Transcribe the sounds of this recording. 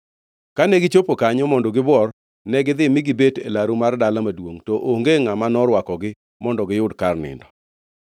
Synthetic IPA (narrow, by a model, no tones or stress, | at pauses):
kanɛɡɪt͡ʃopokaɲɔmɔndɔɡɪbɔr | nɛɡɪd̪ɪmɪɡɪbetḛlaɾumardalamadwoŋtɔʔoŋɡeŋamanɔɾwakɔɡɪ | mɔndɔɡɪjʊdkarnɪ̰ndɔ